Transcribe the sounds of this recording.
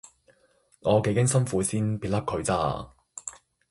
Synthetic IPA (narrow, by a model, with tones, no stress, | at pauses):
ŋɔː˨˧ke˨˧jkɪ˥ŋsɐ˥nfuː˨˥siː˥npiː˧˩lɐ˥p̚kʰɵ˨˧ɥt͡sa̰ː˧